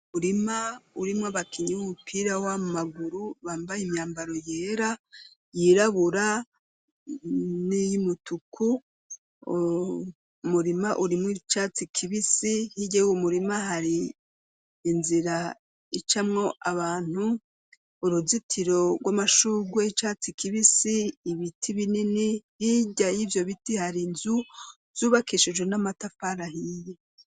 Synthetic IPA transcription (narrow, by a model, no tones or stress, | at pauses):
uɾimauɾimŋaβakʰiɲiwumupʰiɾawamaɡuɾuβaːmbajimɲaːmbaɾo̞jeːɾa | jiɾaβuɾa | nijimutukʰu | muɾimaʔuɾimŋwit͡ʃaːt͡sikʰiβisihiɟewumuɾimaɦaɾiː | nziɾa | it͡ʃamŋo̞ʔaβaːn̥huː | ɾuzitʰiɾo̞ɡwamaʃuɡweit͡ʃaːt͡sikʰiβisiːβitʰiβininihiɟajivjo̞βitihaɾinzu | z̥uːβakiʃed͡ʒɡwenamatafaɾahije